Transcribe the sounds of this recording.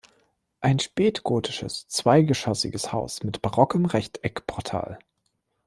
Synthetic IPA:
ʔaɪnʃpɛːtɡ̥oːtʰɪ̥ʃə̰st͡sv̥aɪɡəʃɔsɪ̰ɡəshaʊsmɪtb̥aʁɔkəmʁɛçtʰɛkpʰɔɐtʰa̰ːl

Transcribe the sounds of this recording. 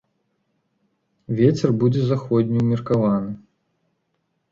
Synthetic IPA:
vʲet͡sʲɛrbud͡zʲɛzaxɔd̪ʲnʲiumʲirkavanɨ

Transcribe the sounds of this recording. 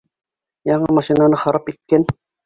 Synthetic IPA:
jɑɴɯmɑʃinɑnɯχɑɾɑpit̪̚kɛn

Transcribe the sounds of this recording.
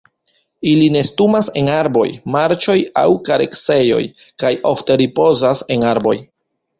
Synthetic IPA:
iline̞stumase̞naɾbo̞̰jmaɾt͡ʃo̞ja̰wkaɾe̞̰kse̞jo̞̰jkajo̞fte̞ɾipo̞zase̞naɾbo̞̰j

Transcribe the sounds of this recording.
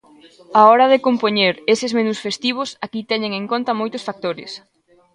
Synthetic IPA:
aɔɾɐðekompoɲeɾesɪzmenusfest̪iβ̞ʊsakit̪ɛɲeŋeŋkont̪ɐmojt̪ʊsfak̚t̪oɾɪ̰s

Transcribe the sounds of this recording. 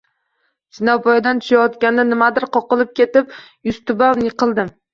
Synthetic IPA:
sɪnawbɒjad̪ant̪ʰʊ̥ʃajɒt̪kʲand̪anɪmad̪ɪɾqʰɒqɨlˠɪp̚kʲe̞t̪ɪpjʊst̪ʰʊbaw̪jɪqʰɨlˠd̪ɪm

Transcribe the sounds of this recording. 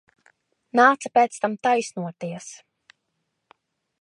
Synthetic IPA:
naːt̪sapʲɛːt̪st̪amt̪ajsnuɔt̪iɛs

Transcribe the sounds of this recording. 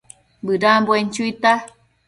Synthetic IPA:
bɨɾamboent͡ʃuit̪a

